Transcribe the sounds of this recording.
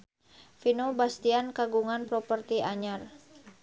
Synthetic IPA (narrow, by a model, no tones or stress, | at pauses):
finobast̪iankaɡuŋanpɾɔpərt̪iʔaɲar